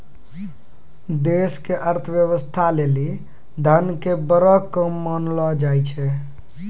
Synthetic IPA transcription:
d̪eskeʔəɾt̪ʰəʋjəwəst̪ʰaleli | d̪ʱənkebəɾɔkəmːənlɔd͡ʒajt͡ʃʰɛ

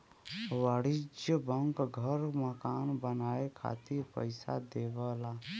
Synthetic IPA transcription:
waːɽɪd͡ʒjəbəŋkɡʱəɾməkaːnbənaːekʰa̰ːt̪ipəɪsa̰d̪eːʋaːlaː

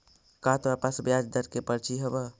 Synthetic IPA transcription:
kat̪apəsbjad͡ʒd̪əɾkepəɾt͡ʃiɦəbə

